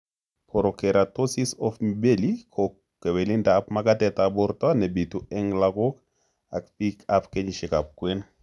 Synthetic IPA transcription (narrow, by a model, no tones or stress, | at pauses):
pʰɔɾɔkɛɾatosisɔfmbelikʰo | kɛwelindaːpmakatɛtabɔɾtwanebituɛŋlakɔk | akpikapkɛɲʃikap̚kwen